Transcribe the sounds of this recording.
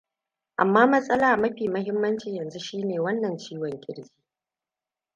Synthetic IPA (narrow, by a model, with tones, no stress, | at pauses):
ʔa˨mːaː˦mɐ˦sʼɐ˦laː˨mɐ˦ɸiː˨mɐ˦hɪ˦mːɐ˦nt͡ʃi˨jɐ˨nzu˦ʃiː˦neː˨wɐ˦nːɐ˨nt͡ʃiː˦wɔ˨ŋkʲʼɪ̰˦ɽɡʲiː˦